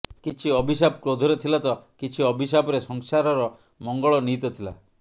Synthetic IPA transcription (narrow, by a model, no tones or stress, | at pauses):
kit͡ʃʰiɔbʱis̬abkɾod̪ʱɔɾet̪ʰilat̪ɔkit͡ʃʰiɔbʱis̬abɔɾesɔŋsaɾɔɾɔ | mɔŋɡɔɭɔnit̪ɔt̪ʰila̰